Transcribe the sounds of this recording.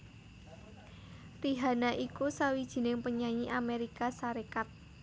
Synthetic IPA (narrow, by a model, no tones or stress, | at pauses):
riɦanaʔikusawid̥ʒ̥i̤nɪŋpəɲaɲiʔameɾikasaɾekat̪̚